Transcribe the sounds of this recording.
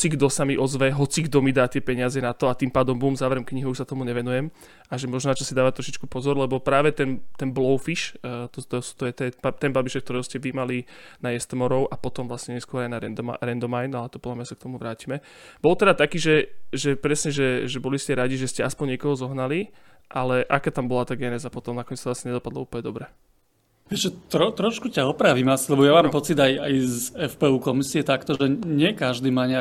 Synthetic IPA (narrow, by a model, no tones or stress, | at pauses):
t͡siɡd̪ɔsamiʔɔzʋɛɦɔt͡siɡd̪ɔmid̪aːt̪ɪɛpɛɲɪazɛnat̪ɔat̪impaːd̪ɔmbumzaːʋɛɾɔmkɲiɦuuʃsat̪ɔmuɲɛʋɛnujɛm | ʔaʒɛmɔʒnɔnat͡ʃɔsid̪aːʋat̪ːɾɔʃit͡ʃkupɔzɔɾlɛbɔpɾaːʋɛt̪ɛnt̪ɛnblɔʊfiʃt̪ɔt̪ɔsu̥t̪ɔjɛt̪ɛat̪ɛnbabiʃɛk̚t̪ɔɾɛʊscɛʋimalinajɛst̪mɔɾɔʊʔapɔt̪ɔmʋlasɲɛɲɛskʊɔɾajnaɾɛd̪ɾɛnd̪ɔmajnalɛt̪ɔpɔd̪lamɲasak̚t̪ɔmuʋɾaːcimɛ | b̥ɔlt̪ɛd̪at̪akiːʒɛʒɛpɾɛsɲɛʒɛʒɛbɔliscɛɾaɟiʒɛscɛaspɔɲɛkɔɦɔzɔɦnali | ʔalɛʔakaːt̪ambɔlat̪aːɡɛnɛzapɔt̪ɔmnakɔɲɛt͡st̪lasɲɛɲɛd̪ɔpad̪lɔ̰uːpəlɲɛd̪ɔbɾɛ | ʋɛt͡ʃɛt̪ɾɔt̪ɾɔʃkucaɔpɾaːʋimasi̥lɛbɔjamaːmpɔt͡sid̪ajajzɛfpɛːuːkɔmisiɛt̪akt̪ɔʒɛɲɪɛkaʒd̪iːmaɲa